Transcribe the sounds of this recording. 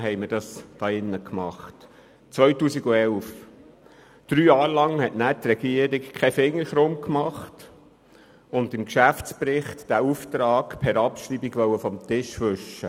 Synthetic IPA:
ɦɛɪməɾd̥ɑsd̥ɑːɪnːəkmɑχt | t͡sʋœɥtuːsiɡuɛlf | d̥ɾyːjɑːɾlɑŋhɛtnæːtɾɛɡiəɾikkʰɛfɪŋːəɾʃɾʊmkmɑχt | ʊndɪmkʃæft͡spɾɪχtd̥æuft̪ɾɑːkpʰɛɾɑpʃɾibiɡʋœwəfɔmt̪ɪʃʋʏʃə

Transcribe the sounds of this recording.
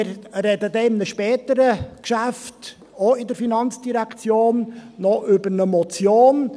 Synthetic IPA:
ɾɾɛdədɛɪmnəʃpɛːtəɾəkʃæft | oɪdəɾfinɑnt͡sd̥iɾækt͡sjoːnːɔʔʏbəɾnəmɔt͡sjoːn

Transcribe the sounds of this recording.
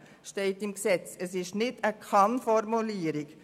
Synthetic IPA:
ʃtɛɪtɪmksɛt͡səsɪʃnɪdəkʰɑnfɔɾmuliːəɾɪk

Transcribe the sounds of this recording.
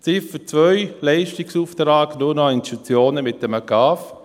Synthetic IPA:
t͡sɪfət͡svœʏlɛɪʃtɪksuːft̪ɾaːɡnʊnɔɪnʃtut͡sjoːnəmɪt̚əməɡɑːf

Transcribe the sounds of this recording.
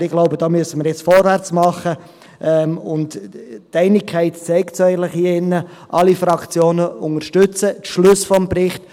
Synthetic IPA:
ɪɡ̥loʊbəd̥ɑːmyəsəməɾjɛt͡sfɔɾvært͡smɑχə | ʔɛmʊnttɛɪnɪkʰːɛɪtt͡sɛɪktsɛɪɡən̩tlɪχhiəɪnːə | ʔɑlifɾɑkt͡sjoːnəʊŋəɾʃtʏt͡sətʃlʉsfɔmprɪχt

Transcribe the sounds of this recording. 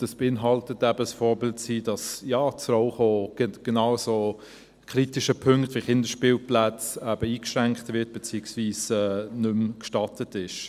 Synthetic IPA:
d̥ɑsb̥eɪnɦɑltətæbəəsfɔːɾbɪltsiːd̥ɑsjɑːt͡srɔʊχoːɡ̥ɡ̥enɑʊso | kʰɾitɪʃəpʰɵŋktviχɪndəʃpɪːlplæt͡sæb̥əiːkʃʁæŋkχtvɪt̚b̥et͡siːəksviːsɛːnɵmkʃtɑtətɪʃ

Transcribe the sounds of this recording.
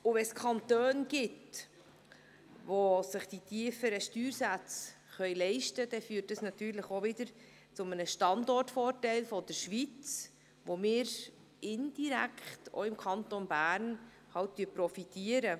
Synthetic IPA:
ʊvɛskʰɑnt̪øːnɡ̥ɪt | vosɪχd̥itʰiəfəɾəʃtyːɾsæt͡s | χœʏjlɛɪʃtəd̥ɛfyːtːəsnɑtyːɾləχovɪdəɾ | t͡sʊmənəʃtɑndɔrtfɔːrtɛɪlfɔd̥əɾʃʋit͡s | ʋomɪːɾ | ɪnd̥iɾækʰχto̰ɪmkʰɑntonbæːɾn | hɑwttyːpɾɔfitiəɾə

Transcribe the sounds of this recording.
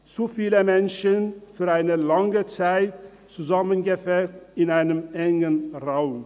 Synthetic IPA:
t͡sufiːləmɛnʃənfyːɐaɪnəlaŋət͡saɪt | t͡suzamənɡəfɛtɪnaɪnəmʔɛŋənʁaʊm

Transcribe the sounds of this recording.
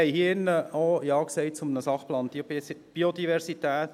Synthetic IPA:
ɛɪhiːɪnːəojɑːksɛɪt͡sʊmənəsɑχplɑːnb̥i̥b̥iod̪iʋɛɾsit̪æːt̪

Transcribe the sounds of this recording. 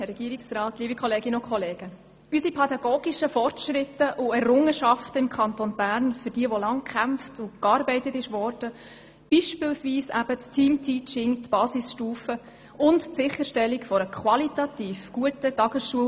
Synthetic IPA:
ɛrːɛɡ̥iəɾiksɾɑːtliːbikʰχɔleːɡɪnəʊnkχɔleːɡ̥ə | ysipʰɛdɑɡ̥oːɡ̥iʃəfɔrtʃɾɪtːəʔʊɛrʊŋːəʃɑftəɪmkʰχɑntonbæːɾnfʏɾd̥iəʋɔlɑŋkχæmftʊkɑːɾbɛɪtətɪʃʋɔrd̥ə | b̥iʃpɪlsviːsæ̰b̥əttʰiːmtʰiːt͡ʃɪŋtb̥ɑːsisʃtuːfə | ʊnttsɪχəʃtɛlːikfɔɾəkχʋɑlitɑtiːfɡ̥uətətɑɡ̥əsʃuə

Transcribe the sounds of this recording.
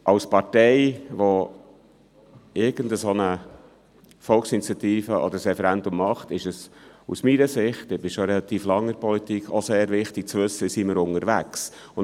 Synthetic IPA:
ʔɑwspɑɾtɛjʋɔ | ɪɾɡ̥ənd̪əsonə | fɔlksinit͡sjɑt̪iːfəʔɔ̰d̪əɾsɾɛfɛɾændʊmːɑχtɪʃəsṵsmiɾəsɪχtɪb̥ɪʃoɾɛlɑt̪iːflɑŋəɾpɔlit̪ikʰoseːɾvɪχtɪk̚t͡sʋɵsːəsiməɾʊŋəɾʋæks | ʊn

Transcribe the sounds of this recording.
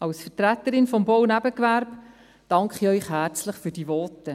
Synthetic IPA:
ɑwsfətɾæt̪ːəɾɪnfɔmbɔwnæbəkʋæɾb | d̥ɑŋkχiœʏχɦæːɾt͡sləχfyːɾd̥ivɔtːə

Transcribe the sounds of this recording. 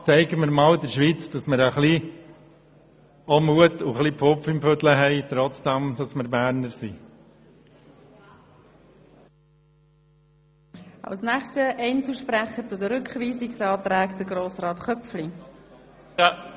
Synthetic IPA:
t͡sɛɪɡəməɾmɑːld̪əɾʃʋiːt͡sd̥ɑsməɾəχli | ɔmuətuχlipfopfɪmføtləɦɛɪt̪ɾɔt͡sd̥æmd̥ɑsməɾbæːɾnəɾsḭ | ɑ̰wsnɛːχʃtəʔɛɪnt͡suʃpɾɛχət͡sʊdəɾʏkχʋiːsɪksɑːtɾɛːkd̪̥əɡroːsrɑːtχœpfli

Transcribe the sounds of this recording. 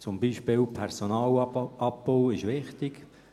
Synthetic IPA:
t͡sʊmbiːʃpɪːlpʰɛɾsonɑːlɑp̚bowɪʃʋɪχt̪ɪk

